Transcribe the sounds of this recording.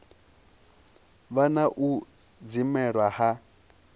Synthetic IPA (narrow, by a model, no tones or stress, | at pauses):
βanaʔu | d͡zimɛɺwaha